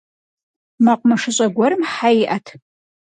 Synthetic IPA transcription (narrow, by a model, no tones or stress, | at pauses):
maqʷʼmaʂɨɕʼɐɡʷɔɾɨmħajʔɐtʰ